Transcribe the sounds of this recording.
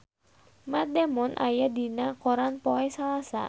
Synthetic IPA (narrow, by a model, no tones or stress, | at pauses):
mad̪ɛmɔnʔa̰jadinakɔɾanpɔɛsalasa̰